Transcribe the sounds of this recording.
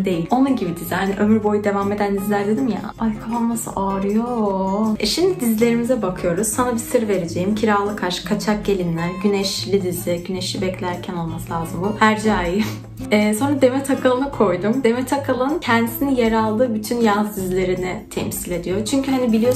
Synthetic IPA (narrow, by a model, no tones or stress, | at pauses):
d̪e̞jilʲo̞nunɟibid̪izihaniʔø̞myɾbo̞jud̪e̞vame̞d̪ænd̪izlʲæɾd̪e̞d̪imja̰ | ajkʰapanmasɯ̰ʔaːɾɯjoɛʃimd̪id̪izlʲe̞ɾimizɛbakʰɯjo̞ɾuz̥sanabisɯɾve̞ɾed͡ʒe̞jimcʰiɾaːlˠɯkʰaɾʃɯ̥kʰat͡ʃʰak̚ɟe̞lʲimlʲæɾɟynɛʃlʲid̪izɪɟyneʃlʲibɛclʲæɾcʰæno̞lˠmasɯlʲˠaːzɯmbuhæɾd͡ʒaːji | ɛːso̞nɾad̪e̞mɛt̪ʰakʰalˠɯnɯkʰo̞jd̪umd̪e̞mɛt̪ʰakʰalˠɯncʰɛnd̪isinijeɾalˠd̪ɯːbyt̪ʰynjad̪izlʲe̞ɾinɪt̪ʰɛ̰msilʲe̞d̪ijo̞t͡ʃʰyɲcʰyɦanibilʲijo